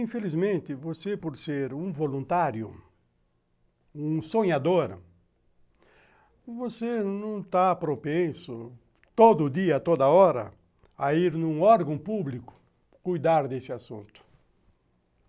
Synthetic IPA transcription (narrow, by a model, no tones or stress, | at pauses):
ĩfelizmẽnt̪ɪvosepoɾseɾũvolũnt̪aɾjʊ̰ | ũsõɲad̪oɾ | vosenɐ̃w̃t̪apɾopẽsʊ | t̪od̪ʊd̪iɐt̪od̪ɐɔɾɐ̰ | aiɾnũɔɾɡɐ̃w̃publikʊ̥ | kujd̪aɾd̪esɪasṵ̃nt̪ʊ̥